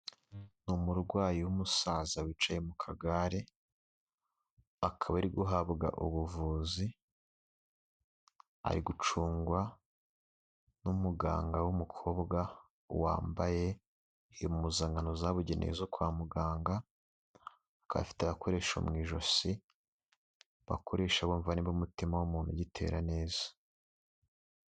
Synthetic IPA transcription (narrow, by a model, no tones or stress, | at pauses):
numuɾɡwaːjiwumusazawit͡ʃajemukʰaɡaɾe | akʰaβaɾiɡuɦaβɡa̰ʔṵβuvuːzi | a̰ɾiɡut͡ʃuːŋɡwa | numuɡa̰ːŋɡawumukʰo̞ːbɡa | wa̰ːmbaje̞ | ijomumuzaːŋɡanozaβuɟe̞nʔḛzokwaːmuɡaːŋɡa | ka̰a̰fi̥teaβakʰo̞ɾe̞ːʃo̰mŋiːʒo̞si | βa̰kʰo̞ɾe̞ːʃaβoːɱvaniβumutimawumuːnhuɟitʰe̞̰ːɾane̞ːzḁ